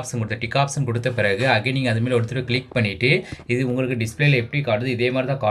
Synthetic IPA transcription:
psɯkɔɽɯt̪ːɐʈɪkːaːpsɐnkɔɽɯt̪ːɐpɪɾɐɣɯɐɣeniːŋɡɐɐðɯmeːlɔɽɯt̪ːɯɾɯkɭɪk̚pɐɳːɪʈːɯɪðɯʊŋɡɐɭɯkːɯɖɪspleːlɐɛpːɐɽikaːʈɯðɯɪðeːmaːdɾɪt̪ãːkaː

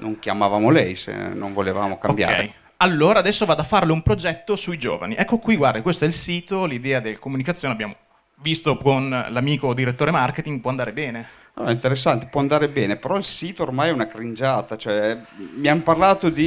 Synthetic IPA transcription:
no̰ŋkja̰mavaːmolɛjsḛno̰nvoleva̰ːmokaombja̰ːɾɛ̰ej | alːoːɾaːd̪ɛsːovad̪afːarleumpɾod͡ʒɛt̪ːosuid͡ʒo̰ːva̰niʔɛkːokwiɡward̪akwest̪oɛilsiːt̪olid̪ɛːad̪elkomunikat̪sːjoːneabjaːmo | vist̪okonlamiːkod̪iɾet̪ːoːɾemarket̪iŋɡ̚pwɔand̪aːɾebɛːne | a̰ɛint̪eɾes̬ːant̪e̥pwɔand̪aːɾebɛːnepeɾɔilsiːt̪oːrmajɛunakɾind͡ʒaːt̪at͡ʃoɛmianparlaːt̪od̪i

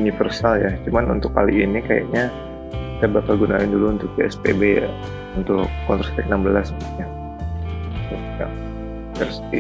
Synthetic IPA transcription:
unifərsaljat͡ʃumanṵnt̪ʊkːa̰liːnikaja̰ʔɲa | kit̪abapaɡunaɪnduluːnt̪ʊk̚peɛspḛbeja̰ | unt̪ʊkːɔnt̪ɾɔst̪ɛknambəlasɲa | ʊ | ja̰ | kəɾsi

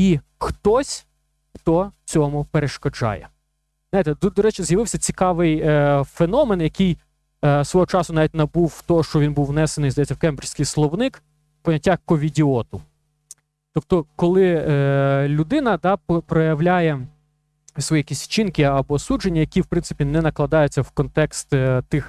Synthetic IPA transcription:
i | xt̪ɔsʲ | xt̪ɔt͡sʲɔmʊpeɾeʃkɔd͡ʒɑ̰jɛ̰ | znajt̪ɛd̪d̪ɔɾɛt͡ʃɪzjɐʋɪwsʲɐt͡sʲikɑʋɪjfenɔmenjɐkɪj | sʋɔɦɔt͡ʃɑsʊnɑʋʲit̚ʲnɐbuwt̪ɔɔʃt͡ʃɔʋʲinbuwnɛsenɪjzd̪ɐjɛt͡sʲːɐwkɛmbrʲsʲkɪjslˠɔwnɪk | pɔnʲɐtʲːakɔʋʲidʲiɔt̪ʊ | t̪ɔp̚t̪ɔkɔlˠɪ | lʲʊd̪ɪnɐd̪ɑppɾɔjɐʋlʲajɛ | sʋɔjijɐkʲisʲt͡ʃinkɪɐbɔsud͡ʒenʲːɐjɐkʲiwpɾɪnsɨɪpʲinɛnɐklˠɐd̪ɑjʊt͡sʲːɐwkɔnt̪ɛkst̪t̪ɪx

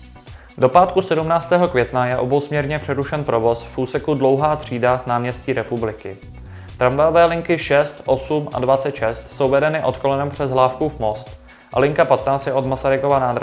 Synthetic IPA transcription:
do̞paːt̪kusɛdumnaːt͡st̪ɛːɦo̞kvjɛt̪najɛʔo̞bowsmɲɛɾɲɛpr̝̥ɛɾuʃɛnpɾo̞vo̞sfʔuːsɛkudlo̞wɦaːt̪r̥iːdanaːmɲɛsciːɾɛpublɪkɪ | t̪ɾaɱvajovɛːlɪŋkɪʃɛst̪ʔo̞suma̰dvat͡sɛt̪ʃɛst̪so̞wvɛdɛnɪʔo̞t̪ko̞lɛnɛmpr̝̥ɛzɦlaːfkuvmo̞st̪ | ʔa̰lɪŋkapat̪naːt͡stjɛʔo̞d̪masaɾɪkovanaːd̪ɾa

